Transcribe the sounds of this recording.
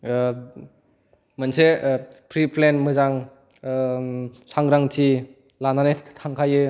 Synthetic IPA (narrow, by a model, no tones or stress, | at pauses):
mɯnsepʰɾipʰlenmɯzaŋ | saŋɾaŋtʰi | lananetʰaŋkʰajɯ